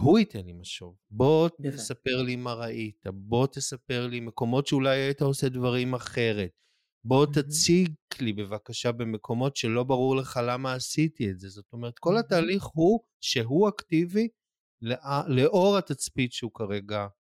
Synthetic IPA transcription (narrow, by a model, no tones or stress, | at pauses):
huitʰenlimaʃo̞vbo̞tesape̞ʁlimaʁaitabo̞t̪esape̞ʁlime̞ko̞mo̞tʃeulajait̪aose̞dvaʁimaχe̞ʁe̞t̚ | bo̞t̪at͡siklibe̞vakaʃabe̞me̞kʰo̞mo̞tʃe̞lo̞baʁuʁle̞χalamaːsitietze̞zo̞to̞me̞etko̞lataːliχhu | ʃe̞ɦuaktivi | leʔale̞ʔo̞ʁat̪at͡spitʃeukaʁe̞ɡa